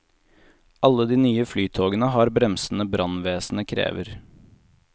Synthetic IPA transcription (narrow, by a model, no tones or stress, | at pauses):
ʔɑlːəd̪iːnyːəflyːt̪ʰoːɡənəɦɑːɾbɾɛmsn̩əbɾɑnʋeːsn̩əkʰɾḛːʋəɾ